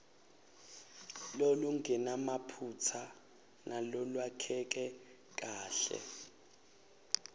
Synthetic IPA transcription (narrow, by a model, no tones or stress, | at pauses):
loluŋɡɛnamapʰut͡sʰa | nalɔlwakʰɛk̬ʼɛ | k̬ʼaːɬɛ̰